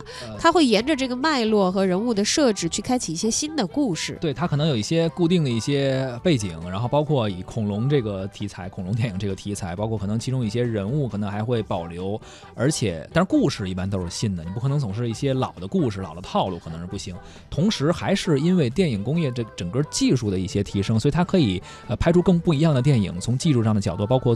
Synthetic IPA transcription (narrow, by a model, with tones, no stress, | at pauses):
t̪ʰa˥xwe˥˩ɪjɛ˧˥nʈ͡ʂə˧ʈ͡ʂɤ˥˩ɡə˩ma˥˧ɪlwɔ˥˩xɤ˧˥ɻə˧˥nu˥˩d̪ə˩ʂɤ˥˧ʈ͡ʂɻ̩˥˩t͡ɕʰy˥˩kʰa˥ɪt͡ɕʰi˨˩i˥˩ɕjɛ˥ɕi˥nd̪ə˨ku˥˧ʂɻ̩̰˥˩t̪we˥˩ɪt̪ʰa˥kʰnɤ˧˥ŋjo˨˩i˥˩ɕjɛ˥ku˥˧t̪i˥˩ŋd̪ə˩i˥˩ɕjɛ˥pe˥˩ɪt͡ɕi˨˩˦ŋɻa˧˥nxo˥˧ʊpɑ˥ʊkʰwɔ˥˩i˨˩kʰʊ˨˩ŋlʊ˧˥ŋʈ͡ʂɤ˥˩ɡə˩t̪ʰi˧˥t͡sʰa˧˥ɪkʰʊ˨˩ŋlʊ˧˥ŋt̪jɛ˥˩ni˨˩ŋʈ͡ʂɤ˥˩ɡə˩t̪ʰi˧˥t͡sʰa˧˥ɪpɑ˥kʰɔ˥˩kʰɤ˨˩nɤ˧˥ŋt͡ɕʰi˧˥ʈ͡ʂʊ˥ŋi˥˩ɕjɛ˥ɻə˧˥nu˥˩kʰɤ˨˩nɤ˧˥ŋxa˧˥ɪxwe˥˩ɪpɑ˨˩ʊljo˧˥ʊ | ə˞˧˥t͡ɕʰjɛ̰˨˩˦t̪a˥˧ʂ̩˧˥ku˥˧ʂɻ̩˥˧i˥˩pa˥nt̪̬o˥ʊʂɻ̩˥˧˩ɕi˥˩nd̪ə˩ni˨˩p̬u˥k̪ʰɤ˧˥ŋt͡sʊ˨˩ŋʂɻ̩˥˧i˥˩ɕjɛ˥lɑ˨˩ʊd̪ə˦ku˥˧ʂɻ̩˧˩lɑ˨˩ʊd̪ə˧t̪ʰɑ˥˧lu˥˩k̪ʰɤ˧˥ŋʂɻ̩˥˩pu˥˩ɕi˧˥ŋ | t̪ʰʊ˧˥ŋʂɻ̩˧˥xa˧˥ɪʂɻ̩˥˩i˥nwe˥˧ɪt̪jɛ˥˩ni˨˩ŋkʊ˥ŋjɛ˥˩ʈ͡ʂʈ͡ʂə˨˩ŋkɤ˥˧t͡ɕi˥˧ʂu˥˩d̪ə˩i˥˩ɕjɛ˥t̪ʰi˧˥ʂɤ˥ŋswi˨˩t̪ʰa˥kʰɤ˧˥i˨˩˦ | ə˧pʰa˥ɪʈ͡ʂʰu˥kɤ˥˧ŋpu˥˩i˧˥jɑ˥˩ŋd̪ə˩t̪̬jɛ˥˩nḭ˨˩˦ŋt͡sʰʊ˧˥ŋt͡ɕi˥˧ʂu˥˧ʂɑ˥˩ŋd̪ə˩jɑ˨˩ʊt̪u˥˩p̬ɑ˥ʊkʰɔ˥˩